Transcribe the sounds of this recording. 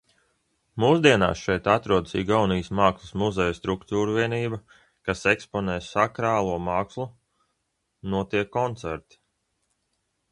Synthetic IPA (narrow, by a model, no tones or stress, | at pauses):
muːsd̪iɛna̰ːsʃɛjt̪at̪ɾuɔd̪ə̥sḭːɡawnijsmaːkslˠusmuzɛjst̪ɾukt̪uːɾuviɛniːbɐ | kasekspɔnɛːsakɾaːlˠuɔmaːkslˠu | nuɔt̪iɛkːɔnt̪sɛɾt̪i̥